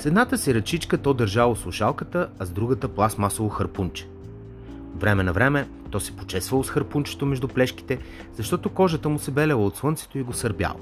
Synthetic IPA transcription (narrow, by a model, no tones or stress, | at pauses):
sɛd̪nat̪əsiɾɐt͡ʃit͡ʃkət̪ɔd̪əɾʒalˠosˠʊʃalˠkət̪əɐzd̪ɾuɡət̪əplˠasmasolˠoxəɾpunt͡ʃɛ̥ | vɾɛmɛnɐvɾɛmɛ | t̪ɔsɛ̥pot͡ʃɛsvəlˠosxəɾpunt͡ʃɛ̥t̪omɛʒd̪uplɛʃk̟i̥t̪ɛ | z̥ɐʃt̪ɔt̪okɔʒət̪əmʊsɛbɛlʲɛlˠəot̪slˠɤnt̪sɛ̥t̪oiɡosɐɾbʲja̰l̰ˠ